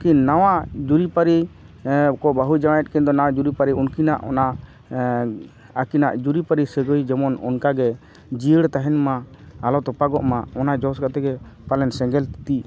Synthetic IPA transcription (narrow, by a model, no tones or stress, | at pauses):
kinːawad͡ʒuɾipaɾi | kɔbaɦud͡ʒamajɛt̪̚ˀkɛnd̪ɔnawad͡ʒuɾipaɾiunkinaʔɔnaʔ | akinaʔd͡ʒuɾipaɾisəɡojd͡ʒɛmɔnɔ̰nkaɡɛ | d͡ʒiəɽt̪aɦɛnmaː | lɔt̪ɔpaɡɔʔmaɔnad͡ʒɔskat̪ɛɡɛpalɛnsɛ̃ŋɡɛlt̪it̪i